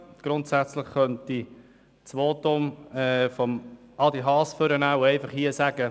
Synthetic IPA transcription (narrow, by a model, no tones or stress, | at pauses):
ɡ̥ɾʊntsæt͡slɪχːœnti | t͡sʋoːtʊmɛfɔmɑlˠd̪iɦɑːsføɾənaʊɛɪfɑχhiəsæɡə